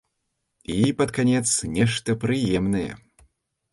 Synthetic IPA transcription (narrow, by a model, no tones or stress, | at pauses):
ipɐt̪kanʲɛt̪snʲɛʂt̪ɐpɾɨjɛmnɐjɛ̰